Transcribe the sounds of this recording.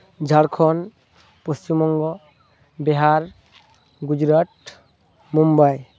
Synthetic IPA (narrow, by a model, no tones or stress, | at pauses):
d͡ʒʱaɽkʰɔn | post͡ʃimɔŋɡɔ | beɦaɾ | ɡud͡ʒɾaʈ | mumbaj